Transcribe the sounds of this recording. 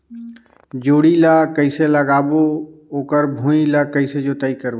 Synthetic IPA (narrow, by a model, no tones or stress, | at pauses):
d͡ʒoːɽilakəɪseləɡaːbooːkəɾbʱũilakəɪsed͡ʒot̪əikəɾbo